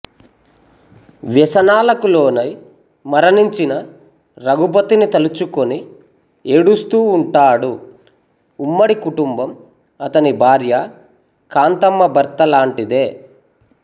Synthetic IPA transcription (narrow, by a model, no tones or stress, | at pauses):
ʋjɛsɐnaːlɐkulo̞ːnɐj | mɐɾɐniɲt͡ʃinɐ | ɾɐɡupɐt̪ːinit̪ɐlut͡ʃuko̞ni | eɽust̪uːɳʈaːɽuː | mːɐɽikuʈumbɐm | ɐt̪ɐnibʱaːɾjɐ | kaːnt̪ɐmːɐbɐɾt̪ɐlaːɳʈid̪e̞ː